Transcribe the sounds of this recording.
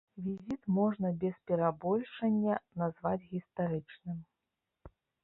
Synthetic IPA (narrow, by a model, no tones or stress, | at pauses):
vʲizʲit̪mɔʐnɐbʲɛspʲɛɾabɔlʲʂɐnʲːɐnazvat͡sʲɣʲist̪aɾɨt͡ʂnɨm